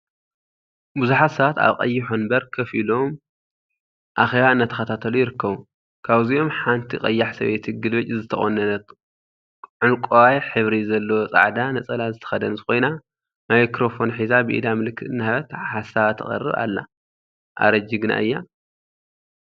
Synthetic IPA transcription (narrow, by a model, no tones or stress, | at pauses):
buzuħasɐβat̪a̰βqʼɐ̰jːɪħonbɐɾkʰɐfilo̞m | ʔaxeβaɨnːat̪ʰɐxɐt̪ʰat̪ʰɐlujɪɾɨkʰːɐβu | kʰaβzio̞mħant̪ʰikʼɐjːaħsɐ̰βet̪ʰiɡɨlβɐt͡ʃʼzɨt̪ʰɐxʼo̰nɐnɐt̪ | ʕɨnkʷʼowajħɨβɾizɐlːɐwot͡sʼa̰ʕd̪anɐt͡sʼɐlazɨt̪ʰɐ̥xɐd̪ɐnzɨxo̞jna | najkɾo̞fo̞nħizabɨʔḭd̪amɨlɨkʰːɨt̪ɨnːaaβɐt̪ħasːaβat̪ʰːɐ̰χʼɐ̰rːɨβa̰lːa̰ | ʔa̰ɾɐd͡ʒiɡna̰ʔɨjːa